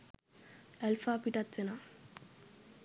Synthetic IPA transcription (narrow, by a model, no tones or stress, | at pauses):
elfaːpiʈɐt̪ʋena